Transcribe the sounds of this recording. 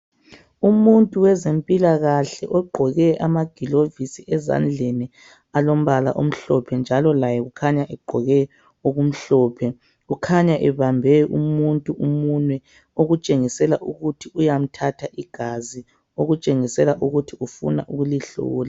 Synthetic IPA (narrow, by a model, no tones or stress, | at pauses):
umuntʼuwɛzempʼilaɣaɬɛ̰ʔɔɡ͡ǃʱɔɣɛʔamaɡ̥ʱilovisiʔɛza̰nd͡ɮʱeni | alom̩βala̰ʔo̰m̩ɬɔpʰɛnd͡ʒʱalɔlajɛɣukʰaɲaʔɛɡ͡ǃʱɔɣɛ | oɣum̩ɬɔːpʰɛ | ɣukʰaɲaʔɛβambʱɛʔṵmuntʼuʔumunwɛ | oɣut͡ʃʼeŋisɛlaʔuɣutʰiujam̩tʰatʰaʔiɡ̥ʱazi | oɣut͡ʃʼeŋisɛlaʔuɣutʰiufṵna̰ʔuɣuliɬṵːla